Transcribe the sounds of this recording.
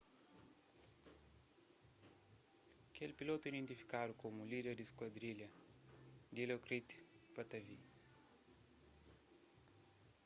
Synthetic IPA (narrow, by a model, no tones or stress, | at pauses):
ɐkelpilot̪uid̪ẽnt̪ifi̥kad̪ukomulid̪eɾd̪iskwɐd̪ɾiʎɐ | d̪ilokɾit̪pɐt̪ɐvi